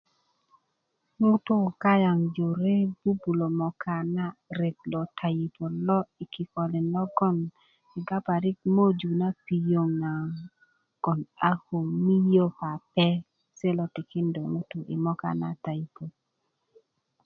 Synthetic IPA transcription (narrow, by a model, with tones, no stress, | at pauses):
ŋʊ˦tʊ˦˨ka˦ja˨ŋd͡ʒo˨ɾe˦b̥u˦bu˨lo˨mɔ˨kʰa˨na˦ɾe˨t̚lɔ˨tʰa˨i˨po˨lɔ˦i˨ki˨kɔ˨lɪ˨nɔ˦ɡɔ˦n | ɪ˨ɡa˦pa˨ɾɪ˦k̚mo˦d͡ʒu˨na˦pi˨jo˨ŋa˨ | ɡ̥ɔ˨na˦ho˨ŋmi˦jo˦pa˨pɛ˦ | sɛ˦lɔ˨tɪ˨kɪ˦ndo˨ŋu˦tʊ˦ʔḭ˨mɔ˦ka̰˨na̰˦ta˨i˨po˨